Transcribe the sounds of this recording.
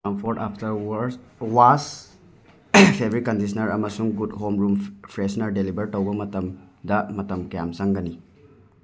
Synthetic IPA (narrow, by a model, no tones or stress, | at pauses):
ɐmpʰoɾʈapʰtɐɾwɐɾswas | pʰebʱɾit̚kɐndis̬ʰɐnɐɾɐmɐsuŋɡudɦomɾumpʰɾesnɐɾdelibɐɾtɐwbɐmɐtɐmdɐmɐtɐmkjamsɐŋɡɐni